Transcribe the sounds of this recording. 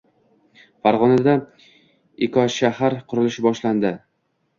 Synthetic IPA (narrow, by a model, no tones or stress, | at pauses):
faɾʁɒnad̪a | ɪkʰɒʃahaɾqʰʊɾɪlɪʃɪbɒʃland̪ɪ